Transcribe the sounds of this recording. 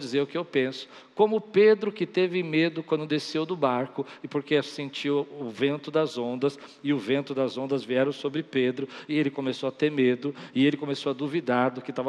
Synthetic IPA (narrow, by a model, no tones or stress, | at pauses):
d͡ʒizeɾʊkɪewpẽsʊ̥ | kõmʊped̪ɾʊkɪt̪evɪmed̪ʊkwɐ̃nd̪ʊd̪esewd̪ʊbaɾkʊɪpoɾkeasẽnt͡ʃiwʊvẽnt̪ʊd̪ɐzõnd̪ɐsɪʊvẽnt̪ʊd̪ɐzõnd̪ɐzviɛɾɐ̃w̃sobɾɪped̪ɾʊɪelɪkõmesowɐt̪eɾmed̪ʊɪelɪkõmesowɐd̪uvid̪aɾd̪ʊkɪt̪avɐ